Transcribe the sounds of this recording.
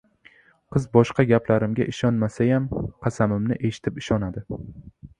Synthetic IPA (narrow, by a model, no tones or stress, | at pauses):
qʰɨzbɒʃqɑɡʲaplaɾɪmɡʲaʔɪʃɒnmasajamqʰɑsamɪmnɪʔe̞ʃɪ̥t̪ʰɪpɪʃɒnad̪ɪ